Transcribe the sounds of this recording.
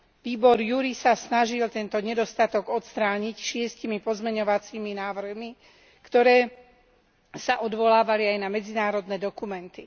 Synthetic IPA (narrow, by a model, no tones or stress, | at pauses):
ʋiːbɔɾjuɾisasnaʒilt̪ɛnt̪ɔɲɛd̪ɔst̪at̪ɔɡɔt̪st̪ɾaːɲicʃɪɛscimipɔzmɛɲɔʋat͡siːminaːʋr̩ɦmi | kt̪ɔɾɛː | saʔɔd̪ʋɔlaːʋaliajnamɛd͡zinaːɾɔd̪nɛːd̪ɔkumɛnt̪i